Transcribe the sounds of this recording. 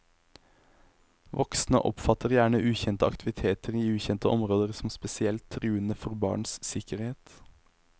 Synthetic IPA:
ʋɔksn̩ə̰ʔɔ̰pfɑt̪əʁjæːɳəʔʉːçɛnt̪əɑ̰kt̪ʰɪʋɪt̪ʰeːt̪əʁiːʉːçɛnt̪əʔɔmʁoːd̪əʁsɔm̩spɛsɪɛlt̪ʰːʁʉːənəfɔʁbɑ̰ːɳssɪkəɾheːt̪

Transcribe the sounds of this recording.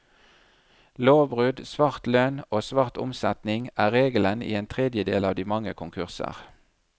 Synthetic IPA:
loːbʁʉːd̪sʋɑʁt̪løːnoːsʋɑʁt̪ʊ̰msɛt̪nɪŋæːʁeːɡələnḭːeːnt̪ʰʁeːd̪jəd̪ḛːlɑːʋd̪iːmɑŋəkʰʊŋkʰʉʁsə̰ʁ

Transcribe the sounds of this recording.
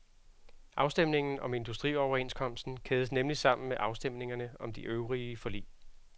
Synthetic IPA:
ʔɑ̈ʊsd̥em̰ne̝ŋn̩ɒ̽me̝nd̥usd̥ʁḭːɒʊɐe̝nskʰɒ̽m̰sd̥n̩kʰeːðˠəsnemlisɑ̈m̰n̩meʔɑ̈ʊsd̥em̰ne̝ŋɐnəɒ̽md̥iʔøʊʁiəfɒlḭː

